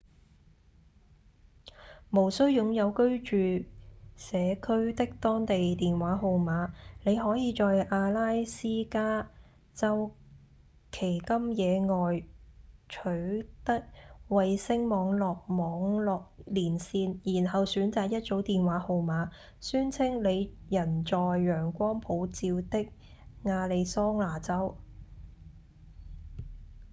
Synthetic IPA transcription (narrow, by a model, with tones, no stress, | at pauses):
mo˨˩wsɵ˥ɥjʊ˨˧ŋjɐ˨˧wkɵ˥ɥt͡ʃyː˨sɛː˨˧kʰɵ˥ɥt̪ɪ˥k̚t̪ɔː˥ŋt̪e˨jt̪iː˨nwaː˨˥ɦo˨˧wmaː˨˥ne˨˧jɦɔː˨˥jiː˨˧t͡ʃɔː˨jʔaː˧laː˥jsiː˥kaː˥ | t͡sɐ˥w | kʰe˨˩jkɐ˥mjɛː˨˧ŋɔː˨j | t͡ʃʰɵ˨˥ɥt̪ɐ˥k̚wɐ˨jsɪ˥ŋmɔː˨˧ŋlɔː˨k̚mɔː˨˧ŋlɔː˨k̚liː˨˩nsiː˧njiː˨˩nɦɐ˨wsyː˨˥nt͡saː˨k̚jɐ˥t̚t͡so˨˥wt̪iː˨nwaː˨˥ho˨˧wmaː˨˥ | syː˥nt͡sʰɪ˥ŋle˨˧jjɐ˨˩nt͡sɔː˨jːœː˨˩ŋkʷɔː˥ŋpʰo˨˧˥wt͡siː˧wt̪ɪ˥k̚ | ŋaː˧le˨˧jsɔː˥ŋlaː˨˩t͡sɐ˥w